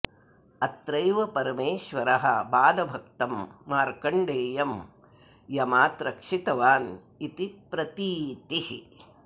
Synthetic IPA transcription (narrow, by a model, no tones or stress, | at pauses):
ɐt̪ɾɐjʋɐpɐɾɐmeːʃʋɐɾɐɦɐ̰baːd̪ɐbʱɐk̚t̪ɐmːaːɾkɐɳɖeːjɐm | jɐmaːt̪ɾɐkʂit̪ɐʋaːn | it̪ipɾɐt̪iːt̪ihi